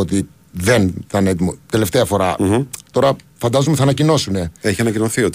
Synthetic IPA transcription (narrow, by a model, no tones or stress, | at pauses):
ot̪i | ðe̞nθɐnet̪imot̪e̞left̪eɐfo̞ɾɐt̪o̞ɾɐfɐnd̪ɐzomeθɐnɐcino̞sune̞eçiɐnɐcinoθiot̪